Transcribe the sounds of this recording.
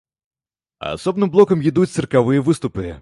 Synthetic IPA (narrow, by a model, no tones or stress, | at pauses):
ɐ̰ɐ̰sɔbnɨmblˠɔkɐmjid̪utʲt̪ɨrkɐʋɨjɛʋɨst̪ʊpɨ